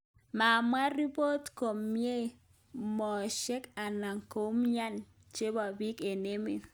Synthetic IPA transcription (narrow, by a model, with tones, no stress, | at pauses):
ma˨mwa˦ɾi˦po˦tko˨mːje˦ | mɔ˨ʃɛ˦ka˨na˨ŋko˨˦mɲa˦n | t͡ʃe˦ba˨bi˦ke˨ne˦mḛ˨